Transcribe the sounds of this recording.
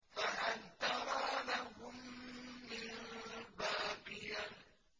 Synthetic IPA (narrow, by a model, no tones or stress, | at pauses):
faʔant̪aɾalaɦʊmː | ɪnbaːbɪja